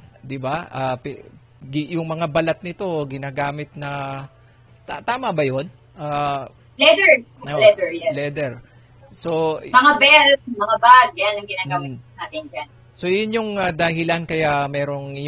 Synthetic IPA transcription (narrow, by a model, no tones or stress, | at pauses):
d̪ɪbaʔap | ɡɪjʊŋmɐŋabɐlat̪̚nɪt̪o̞ɡɪnaːɡaːmɪt̪̚nɐ | t̪at̪aːmɐbɐjo̞n | ʔaː | lɛd̪ɛɹolɛd̪ɛɹjɛlɛd̪ɛɹ | so̞mɐŋabɛlmɐŋabaɡ̪̚janɐŋɡɪnaːɡaːmɪnaːt̪ɪnd͡ʒan | so̞jʊnjʊŋad̪ɐɦɪlankɐjamɛːɾo̞ŋj